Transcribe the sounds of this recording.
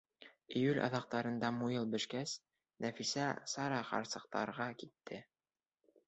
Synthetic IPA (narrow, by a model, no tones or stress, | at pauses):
ɘ̆jʉlɑ̰ðɑq̚t̪ɑɾɤ̆nd̪ɑmujɤlˠbɘ̆ʃkæs | nʔæfisæsɑɾɑχɑ̰ɾsɤ̆q̚t̪ɑ̰ɾʁɑkit̪ʰːɘ